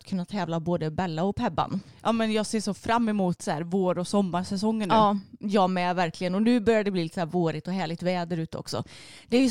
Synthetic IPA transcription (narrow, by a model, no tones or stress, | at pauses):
t̪kʰɵnːat̪ʰɛːvlaboːd̪əbɛlːaɔpʰɛbːa̰nʔɑːmɛnjɑːɡseːʂɔfɾamːɛmuːt̪sæ̰ːɾvoːɾɔsɔmːaɾsɛsɔŋːənɑːjɑːmɛvæɾklɪɡənɔnʉ̟ːbœɾjadəd̪ɛblilɪt̪ːəsæːɾvoːɾɪt̪ɔɦæːɭɪɡ̚t̪vɛːd̪əɾʉ̟ːt̪əɔ̰ksɔ̰d̪̥ɛæjɵ